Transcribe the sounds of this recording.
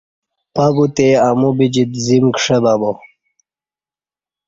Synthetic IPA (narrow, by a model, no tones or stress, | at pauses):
pabut̪eamubid͡ʑid̪zimkʂebabo